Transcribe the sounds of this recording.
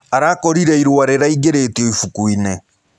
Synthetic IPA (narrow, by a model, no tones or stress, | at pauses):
aɾakɔɾiɾɛiɾwaɾeɾaiɡeɾetiɔifukuinɛ